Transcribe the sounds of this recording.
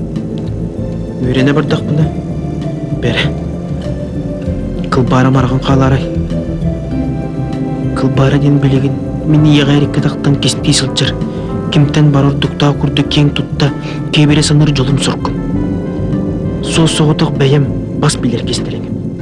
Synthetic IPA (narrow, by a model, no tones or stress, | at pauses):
yɾenebəɾd̪ɑq̚pənɑ | b̥æɾe | kʰəlˠbɑːɾɑmɑɾʁɑɴqʰɑːlˠɑɾɑj | qʰəlˠbɑːɾad̪enbɪlʲeɡʲɪn | menijeʁɑjɾekʲːet̪ʰɑqt̪ːɑŋkʲest̪ijsəlˠt͡ʃɑɾ | kʲɪmt̪ænbɑɾoɾd̪ʊq̚t̪ɑːkʲʰyɾd̪ɪkʲʰeŋt̪ʰut̪ːɑ | kʲʰebeɾesɑnɯɾd͡ʒolˠumsuɾq̪ː | sosoʁot̪oqbæjem | bɑsbilʲeɾkʲʰest̪eɾeken